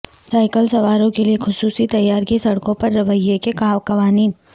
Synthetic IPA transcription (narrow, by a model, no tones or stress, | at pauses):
saːɪkəlsɐʋaːɾõkeliexʊsuːsit̪ɐjːaːɾkesɐɽkõpɐɾːɐʋəjːekekaːwkɐʋaːniːn